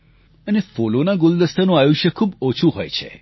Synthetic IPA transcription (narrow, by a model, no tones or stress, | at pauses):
ənefolonaɡʊld̪əst̪ʰənõajuʃjəkʰuːbot͡ʃʰuɦo̰jt͡ʃʰḛ